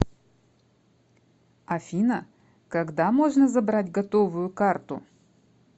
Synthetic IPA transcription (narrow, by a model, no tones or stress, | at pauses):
ɐfʲinə | kɐɡd̪amo̞ʐnəzɐbɾadʲɡɐt̪ovʊjʊkart̪ʊ